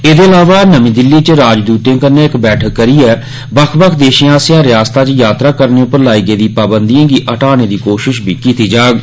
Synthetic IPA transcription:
eːd̪eːəlaːʋaːnəmĩːd̪ɪlːiːt͡ʃɾaːd͡ʒd̪uːt̪jãːkənːeːɪkbɛːʈʰəkːəɾiːɛː | bəkʰbəkʰd̪eːʃẽãːsjãːɾɪjaːst̪aːt͡ʃjaːt̪ɾaːkəɾneːʊpəɾlaːiːɡeːd̪iːpaːbənd̪ijãːɡiːʔəʈaːñeːd̪iːkoːʃɪʃbʱiːkiːt̪iːd͡ʒaːɡ

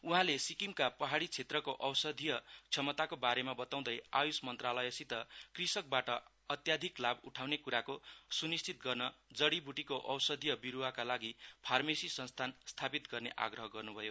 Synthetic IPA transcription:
uɦãlesikimkapʌɦaɽit͡sʰet̪rʌkoʔʌwsʌd̪ʱijʌt͡sʰʌmʌt̪akobaɾemabʌt̪aw̃d̪ʌja̰josmʌnt̪ralʌjʌsit̪ʌkrisʌk̚baʈʌ | ʌt̪jad̪ʱiklabuʈʰawnekuɾakosunist͡sit̪ɡʌrnʌd͡zʌɽibuʈikoʔʌwsʌd̪ʱijʌbiɾuwakalaɡipʰarmesisʌnst̪ʰanst̪ʰapit̪ɡʌrneʔa̰ɡrʌɦʌɡʌrnubʱʌjo

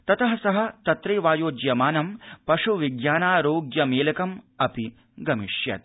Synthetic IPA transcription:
t̪ɐt̪ɐɦɐsɐɦɐ̆t̪ɐt̪ɾeːʋaːjoːd͡ʒjɐmaːnɐmpɐʂuʋiɡjaːnaːɾoːɡjɐmeːlɐkɐmɐpi | ɡɐmiʂjɐ̰t̪̚

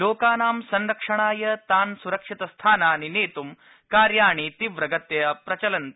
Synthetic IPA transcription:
loːkaːnaːmsɐnɾɐkʂɐɳ̃aːjɐt̪aːnsuɾɐkʂit̪ɐst̪ʰaːnaːnineːt̪um | kaːɾjaːɳ̃it̪iʋɾɐɡɐt̪jɐɐpɾɐt͡ɕɐlɐnt̪

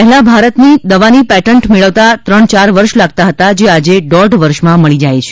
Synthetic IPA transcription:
pəɦlãbʱaɾət̪nid̪əʋanipɛʈəɳʈmeɭəʋt̪at̪ɾəɳt͡ʃaɾʋəɾʃlaɡ̚t̪aɦət̪ad͡ʒead͡ʒeɖɔɾɖʋəɾʃmãməɭid͡ʒajt͡ʃʰe̥

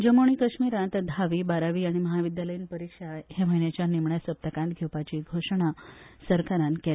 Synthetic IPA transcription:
d͡ʑəmoɽ̃ikəʂmiɾãnt̪d̪ʱaʋiːbaɾaʋiːaɽ̃iməɦaʋid̪jaləjiːnpəɾikʂaɦem̤əɦinjet͡ɕjanimɳjasəp̚t̪əkãnt̪ɡʱewpat͡ɕiːɡʱoʂɳ̃a | səɾkaɾãnkel

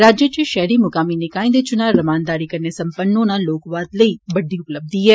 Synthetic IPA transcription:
ɾaːd͡ʒjət͡ʃiʃɛɦɾimʊkaːminɪkaːĩnd̪et͡ʃʊnaːɾɐmaːnd̪aːɾikɐɾnesɐ̃mpənːõnãːloːkʋaːt̪ləiːbɐɖiʊpləb̚d̪iɦɛː

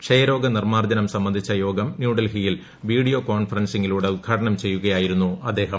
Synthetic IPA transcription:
kʂɐjɐɾo̞ːɡɐnirmaːrd͡ʑ̪ɐnɐmsɐmːɐnd̪ʱit͡ɕːɐjo̞ːɡɐmnjuːɖɐlɦijil | ʋiːɽijo̞koːnfɐrɐnsiŋːiluːɽeud̪̚ɡʱaːʈɐɳɐmt͡ɕe̞jːuɣɐjaːjiɾunːuɐd̪ːe̞ːɦɐm

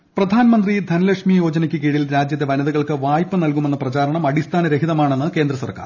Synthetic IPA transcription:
prɐd̪ʱaːnɐmɐnd̪rid̪ʱɐnɐlɐkʂmijo̞ːd͡ʑɐnɐkʲːɨkiːɽilɾaːd͡ʑjɐt̪ːeʋɐnɐðɐɣɐɭkɨʋaːjpːɨnɐlkume̞nːɐprɐt͡ɕaːɾɐɳɐmɐɽist̪ʰaːnɐɾeɦiðɐmaːɳe̞nːɨke̞ːnd̪rɐsɐ̰rka̰ːr

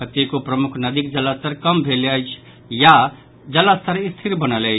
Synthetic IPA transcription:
kət̪ːekopɾəmukʰnəd̪ikd͡ʒələst̪əɾkəmbʱeleəjt͡ʃʰ | ja | d͡ʒəlːəst̪əɾist̪ʰiɾbənələ

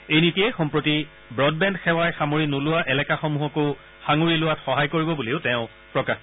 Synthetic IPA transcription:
ejnitiɛxɔmpɹoti | bɹɔdbɛndxɛwajxamoɹinulʊwaʔɛlɛkaxɔmuɦɔko | xaŋuɹilʊwatxɔɦajkoɹibɔbuleʊtɛ̃ʊ̃ | pɹɔkax

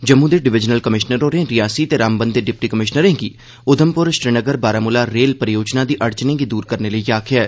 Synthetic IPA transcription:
d͡ʒəmːuːd̪eːɖɪʋɪd͡ʒnəlkəmɪʃnəɾoːɾẽːɾɪjaːsiːt̪eːɾaːmbənd̪d̪eːɖɪp̚ʈiːkəmɪʃnəɾẽːɡiː | ʊd̪ʱəmpʊɾʃɾɪnəɡəɾbaːɾaːmʊlaːɾeːlpəɾɪjoːd͡ʒnãːd̪iːʔəɾt͡ʃnẽːɡiːd̪uːɾkəɾneːləiːaːkʰɪjaː

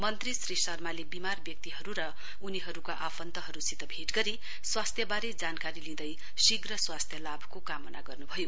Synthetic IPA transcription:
mʌnt̪risrisʌrmalebimarbjʌk̚t̪iɦʌɾuɾʌ | uniɦʌɾukaʔapʰʌnt̪ʌɦʌɾusit̪ʌbʱeʈɡʌɾi | swast̪ʰjʌbaɾed͡zankaɾilĩd̪ʌj | siɡrʌswast̪ʰjʌlabʱkokamʌna̰ɡʌrnubʱʌjo

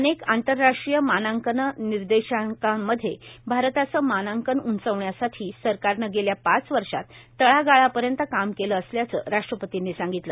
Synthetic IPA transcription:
ənekant̪əɾːaʂʈɾijəmanaŋkənniɾd̪eɕakamːəd̪ʱːjebʱaɾt̪at͡səmanaŋkənunt͡səʋɳjasaʈʰiːsəɾkaɾnəɡeljapat͡sʋəɾʂa̰t̪ːəɭaɡaɭapəɾjənt̪əkamkeləːsljat͡sə̰ːɾaʂʈɾəpət̪inːiːsaŋɡit̪lə̰

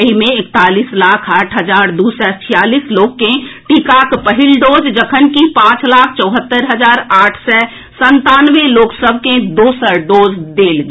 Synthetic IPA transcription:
imẽɪkt̪aːliːslaːkʰaːʈʰɦəd͡ʒaːɾd̪uːsɛt͡ʃʰɪjaːliːsloːkkːẽʈikaːkpəɦɪlɖoːd͡ʒd͡ʒəkʰənkipãːt͡ʃlaːkʰt͡ʃɔːɦət̪ːəɾɦəd͡ʒaːɾaːʈʰsɛ | sə̃nt̪aːnʋeloːksəb̚ʱkẽd̪oːsəɖoːd͡ʒd̪eːlɡ

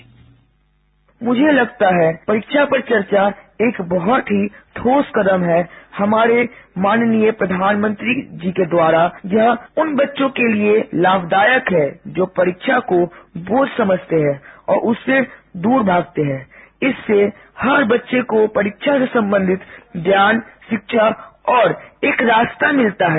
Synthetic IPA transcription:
mʊd͡ʒʱelɐɡt̪aɦɛpɐɾɪkʃapɐɾt͡ʃɐɾt͡ʃaeːkbɔɦɔt̪ɦit̪ʰoːskəd̪əmɦɛhɐmaːɾemaːnnijəpɾəd̪ʱaːnmə̃nt̪ɾid͡ʒiːked̪waːɾajɐɦʊnbɐtːʃõkelielaːbd̪aːjəkɦɛd͡ʒoːpɐɾɪkʃʰakoboːd̪sɐməd͡ʒʱt̪eɦɛ̃ɔːɾʔʊsːed̪uːɾbʱaːɡ̚t̪eɦɛ̃ːɪsːe | hɐɾbɐtːʃekopɐɾɪkʃʰasesɐ̃mbə̃nd̪ʱɪt̪d̪jaːnʃɪkʃʰaɔːɾeːkɾaːst̪amɪlt̪aɦɛː

